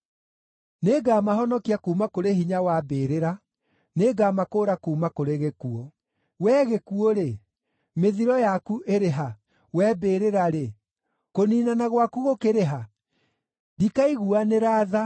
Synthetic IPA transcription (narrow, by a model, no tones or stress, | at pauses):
neɡamaɦɔnɔkiakuːmakoɾehiɲawabeːɾeɾa | neɡaːmakoːɾakuːmakoɾeɣekuɔ | wɛːɣekuoɾe | meðiɾɔjakuʔeɾeɦa | wɛbeːɾeɾaɾe | koniːnanaɣwakuɣokeɾeɦa | dikaiɣuaneɾaːða